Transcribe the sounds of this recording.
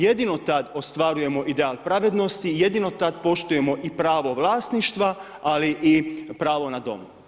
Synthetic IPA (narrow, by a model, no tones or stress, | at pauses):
jed̪ino̞t̪ad̪o̞st̪ʋaɾuje̞mo̞ʔid̪eaːlˠpɾaʋed̪no̞st̪ije̞d̪ino̞t̪ad̪po̞ʃt̪uje̞mo̞ʔipɾaːʋo̞ʋlˠaːsniʃt̪ʋa | aliʔipɾaːʋo̞nad̪o̞̰m